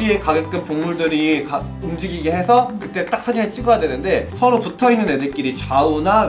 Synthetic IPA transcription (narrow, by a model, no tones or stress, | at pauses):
ie̞kaɡek̚k͈ɯmtoŋmuɭdɯɾika | umd͡ʑiɡiɡeɦe̞sʰʌkɯt͈e̞t͈ak̚sʰad͡ʑineɭt͡ɕ͈iɡʌjadwe̞nɯnde̞sʰʌɾoputʰʌinːɯne̞dek͈iɾit͡ɕauna